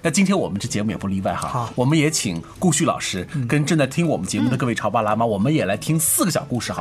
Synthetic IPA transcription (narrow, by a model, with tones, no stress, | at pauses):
na˥˩t͡ɕi˥nt̪ʰjɛ˥nwɔ˨˩mə˦nʈ͡ʂɤ˥˩t͡ɕjɛ˧˥mu˥˩jɛ˨˩pu˥˧˥li˥˧wa˥˩ɪxɑ̰˧˦wɔ˨˩mə˦njɛ˧˥t͡ɕʰḭ˨˩ŋ | ku˥˧ɕy˥˩lɑ̰˨˩ʊʂɻ̩˥kə˥nʈ͡ʂɤ˥˧ŋt͡sa˥˩ɪt̪ʰi˥ŋwɔ˨˩mə˦nt͡ɕjɛ˧˥mu˥˩d̪ə˩kɤ˥˧we˥˩ɪɑ˧˥ʊpa˥˧la˥ma˧wɔ˨˩mə˦njɛ˨˩la˧˥ɪt̪ʰi˥ŋsɹ̩˥˩ɡə˩jɑ˨˩ʊku˥˧ʂɻ̩˥˩xɑ˧˥